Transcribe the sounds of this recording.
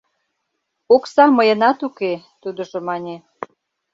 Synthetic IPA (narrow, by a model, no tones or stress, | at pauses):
oksɑməjənɑt̪uket̪ud̪ə̆ʒomɑnʲe